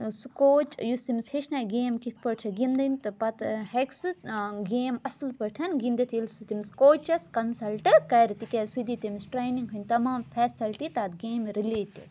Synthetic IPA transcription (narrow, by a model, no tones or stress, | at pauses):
sukoːt͡ʃjust̪imsheʃnɐjɡeːmkit̪̚ʰpɐʈt͡ʃʰɐɡind̪ɐnʲt̪ɨpɐt̪heksuɡeːmɐslpɐʈʰɐnɡind̪it̪ʰilsut̪imskoːt͡ʃɐskɐnsɐlʈɨkɐjɾt̪ikʲɐɾsud̪it̪imisʈɾeːjniŋɡɦunʲt̪ɐmaːmfʰɛːsɐlʈit̪aːd̪ɡeːmɾileːʈḭ